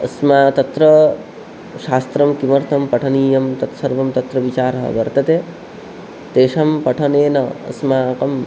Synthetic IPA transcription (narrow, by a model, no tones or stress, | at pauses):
ɐsmaːt̪ɐt̪ɾɐ | ʃaːst̪ɾɐmkimɐɾt̪ʰɐmpɐʈʰɐniːjɐmt̪ɐt̪sɐɾʋɐmt̪ɐt̪ɾɐʋit͡ʃaːɾɐɦɐ̰ʋɐɾt̪ɐt̪eː | t̪eːʃɐmpɐʈʰɐneːnɐɐ̰smaːkɐm